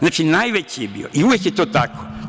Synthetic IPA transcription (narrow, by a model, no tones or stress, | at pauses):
znaːt͡ʃinajʋet͡ɕijebḭoʔiuʋjekjet̪oːt̪ako